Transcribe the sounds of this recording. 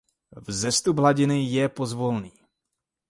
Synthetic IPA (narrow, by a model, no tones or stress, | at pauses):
vzɛst̪ubɦlaɟɪnɪjɛpozvolniː